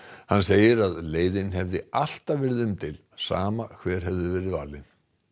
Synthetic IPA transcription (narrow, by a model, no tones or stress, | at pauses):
hanseːjɪɾaðleːjðɪnɦɛvðɪal̥t̪avɪɾðʏmt̪ʰɪl | saːmakʰvɛːɾ̥ɦɛvðʏvɛːɾɪva̰ːlɪn